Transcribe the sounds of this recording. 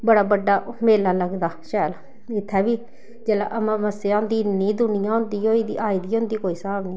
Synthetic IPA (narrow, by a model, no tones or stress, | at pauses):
bəɽaːbəɖːaːmeːlaːləɡd̪aːʃaːla | ɪt̪ʰːaːbiː | d͡ʒeːla̰ʔəmãːməseãːɦʊ̃nd̪iːnĩːd̪ʊnɪjãːɦʊ̃nd̪iːɦoːiːd̪iːʔaːiːd̪iːɦʊ̃nd̪iːkoːiːsəmaːbniː